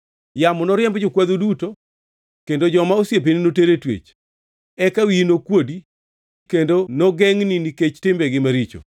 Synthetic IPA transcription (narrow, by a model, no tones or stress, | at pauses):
jamɔnɔɾɪɛmbd͡ʒʊkwad̪oduto | kendod͡ʒɔmaosjep̬eninoteɾetwḛt͡ʃ | ɛkawinokwodi | kendonɔɡɛŋnɪniket͡ʃtɪmbɛɡɪmaɾit͡ʃo̰